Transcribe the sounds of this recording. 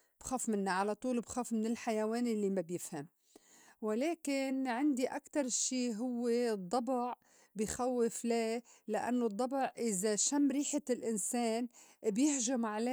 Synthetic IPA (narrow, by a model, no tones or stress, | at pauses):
b̥xoːfmɪnːaʕalat̪ˤuːlbxoːfmɪnɪlħajaweːnlːimabjɪfham | wɪleːkɪnʕɪnd̪iʔakt̪ɑɾˤʃiːɦʊwːed̪ˤːɑbʕ | bɪjxawːɪflelaʔa̰nːod̪ˤːɑbʕʔɪzaʃamːɾiːħalʔɪnseːnbjɪhʒʊmʕale